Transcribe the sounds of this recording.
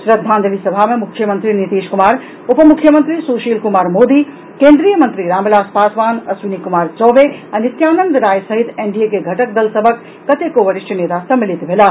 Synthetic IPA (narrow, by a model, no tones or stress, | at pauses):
ʃɾɐd̪ʱaːnd̪əʋiːsɐbʱaːmẽmʊkʰjəmɐ̃nt̪ɾinɪt̪eːʃkʊmaːɾ | ʊpmʊkʰːjəmɐnt̪ɾisuːʃiːlkʊmaːɾmoːd̪iː | kẽːnd̪ɾijəmɐ̃nt̪ɾiɾãːmɪlaːspaːsʋaːnɐsʋɪnikʊmaːɾt͡ʃɔːʋeɐnɪt̪jaːnə̃nd̪ɾaːjsɐɦɪt̪eːɳɖiekeɡʱɐʈək̚d̪ɐlsɐbʱəkːɐt̪ekoʋɐɾɪʃʈɐneːt̪asɐmːɪlɪt̪mʱɪlaː